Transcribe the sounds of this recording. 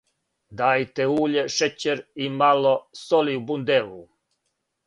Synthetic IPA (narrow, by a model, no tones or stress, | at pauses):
d̪aːjt̪euːʎeʃet͡ɕeɾimalosoliubund̪eʋu